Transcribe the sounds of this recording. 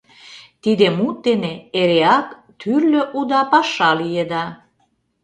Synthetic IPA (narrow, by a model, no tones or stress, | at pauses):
t̪id̪emut̪̚d̪eneeɾeɑk | t̪ʰyrløʔud̪ɑpɑʃɑlijed̪ɑ